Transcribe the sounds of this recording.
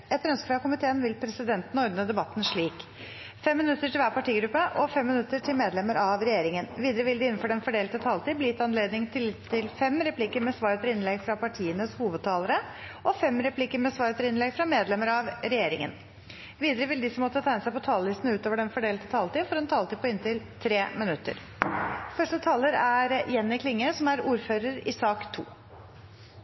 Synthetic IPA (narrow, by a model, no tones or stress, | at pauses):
ɛt̪ɾœnskəfɾɑːkʊmɪt̪ʰeːənʋɪlpʰɾɛsɪd̪ɛnt̪n̩ɔɾd̪nəd̪ɛbɑt̪ːn̩ʂɭiːk | fɛmːɪnʉt̪ːəʈʰɪlʋæːɾpɑʈiːɡɾʉpːəʔɔfɛmːɪnʉt̪ːəʈʰɪlmeːd̪lɛməɾʔɑʋɾɛjeːɾɪŋənʋiːd̪əɾəʋɪld̪ɪɪnːnfɔɖɛnfɔɖeːlt̪ət̪ʰɑːlt̪iːblɪːɪt̪ɑnleːd̪nɪŋt̪ʰɪlt̪ʰɪlfɛmɾɛpʰlɪkːəɾmɛsʋɑːɾət̪ɾɪnlɛɡfɾɑpɑʈʰiːənəshuːʋəd̪̚t̪ʰɑːləɾə | ɔfɛmɾɛpʰlɪkːəɾmɛsʋɑːɾət̪ɾɪnlɛɡfɾɑmeːd̪lɛməɾɑʋɾɛjeːɾɪ̰ŋə̰n | ʋiːd̪əɾəʋɪld̪ɪsɔmɔt̪ːət̪ʰæɪnəsæɪpɔt̪ʰɑːləlɪst̪n̩ʉːt̪oːʋəɖɛnfɔɖeːlt̪ə̥t̪ʰɑːlt̪iːfɔɾɛnt̪ʰɑːlt̪iːpɔɪnt̪ɪlt̪ʰɾeːmɪnʉt̪ːə̰ɾ | fœʂʈət̪ʰɑːləɾæɾjɛnːɪkʰlɪŋːəsɔmæɾuːɾføːɾəɾɪ̰sɑːkt̪ʰṵː